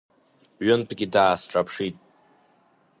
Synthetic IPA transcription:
ɥʊnpʰɡʲidaːsʈ͡ʂʼapʰʂitʼ

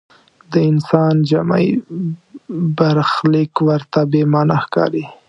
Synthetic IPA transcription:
d̪əɪnsɑnd͡ʒama̰j | baɾxlɪkwəɾt̪abemɑnaxkɑ̰ɾi

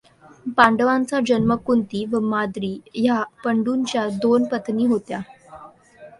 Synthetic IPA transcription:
paɳɖəʋãnt͡sad͡ʑənməkunt̪iːʋəmad̪ɾiːjapəɳɖunt͡ɕjad̪onpət̪ʰniːɦot̪ja

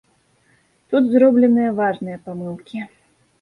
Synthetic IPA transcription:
t̪ut̪zɾɔblʲɛnɨjɐvaʐnɨjɐpamɨlˠkʲi

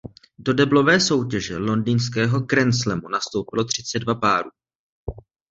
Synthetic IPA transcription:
do̞dɛblo̞vɛːso̞wcɛʒɛlo̞ndiːnskɛːɦo̞kɾɛnslɛmunast̪owpɪlo̞t̪r̝̥ɪt͡sɛdvapaːɾuː

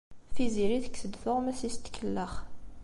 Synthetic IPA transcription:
fiziɾiθə̥kːsəd̪θʊʁmæsist̪kʰəlːəχ

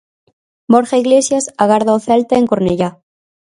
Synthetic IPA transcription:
boɾxaiɣlesjasaɣaɾðoθalt̪aeŋkoɾneʝa

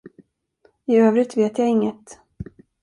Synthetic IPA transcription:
ɪøːvɾɪt̪veːt̪jaɪŋːət̪

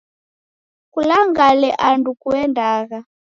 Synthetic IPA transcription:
kulaŋɡalɛʔandukuɛndaːɣa

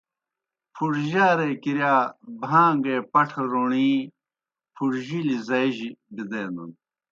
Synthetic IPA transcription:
pʰuɽʑaːɾeːkiɾjaːbʱãːŋɡeːpɐʈʰɐɾoɳiː | pʰuɽʑilizɐiʑibid̪eːnd̪ṵn

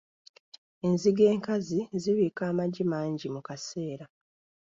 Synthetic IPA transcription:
e̞nziɡe̞ːŋkaziziβiːkaːmaɟimaːɲɟimukase̞ːɾa

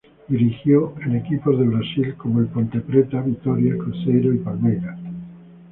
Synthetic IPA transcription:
d̪iɾixjoenekipozðe̞βɾasilkomoelpont̪e̞pɾet̪aβit̪oɾjakɾosejɾoipalmejɾa

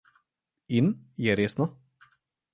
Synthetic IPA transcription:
injɛɾeːsnɔ

